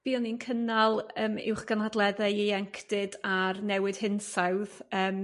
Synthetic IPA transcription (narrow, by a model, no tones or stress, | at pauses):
b̥iɔninkʰənalˠəːmɪ̰wχɡ̥anadlˠɛðɛejɛŋkʰd̥ɨdarnɛwɨd̥hɪnsawðəːm